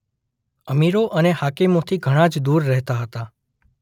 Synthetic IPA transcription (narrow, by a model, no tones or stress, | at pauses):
əmiɾoʔəneɦakimot̪ʰiɡʱəɽ̃ad͡ʒd̪uɾːɛɦt̪aɦət̪a